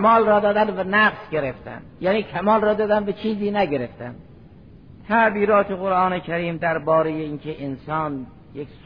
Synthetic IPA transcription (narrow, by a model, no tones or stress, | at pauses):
mɒːlrɒːd̪ɒːd̪ænd̪vænæqsɡʲe̞ɾeft̪æ̰nd̪jæːniːkʰæmɒːlrɒːd̪ɒːd̪ænd̪væt͡ʃʰiːziːnæɟeɾe̞ft̪ænd̪ | t̪ʰæʔbiːɾɒːt̪ʰeɣoɾʔɑːnekʰæɾiːmd̪æɾbɒːɾejeiːnkʰeʔensɒːn | jeks